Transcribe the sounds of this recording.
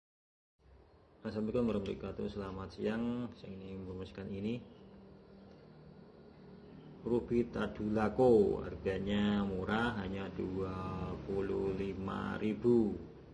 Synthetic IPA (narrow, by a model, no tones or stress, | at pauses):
asambikaməɾəmɾḭkat̪usəlamat̪̚səjaŋsjaŋinimərmaskanini | rubit̪ad̪̥ṳlakoa̰rɡaɲamuɾaɦaɲad̥uapuluhlima̰ɾibu